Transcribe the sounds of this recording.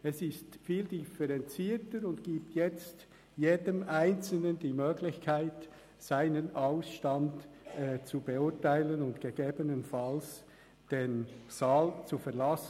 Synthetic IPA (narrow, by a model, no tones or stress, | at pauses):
ɛsɪstfiːldifɛɾɛnt͡siːtəɾʊntɡ̥iːp̚tjɛt͡st | jeːdəmʔaɪnt͡sl̩nəndiːmøːɡlɪçkʰaɪt | saɪnənaʊsʃtɑndɛt͡subeʊɐtaɪlənʊntɡ̥eɡ̥eːbənənfɑls | d̥enz̥aːlt͡sufɛʁlɑs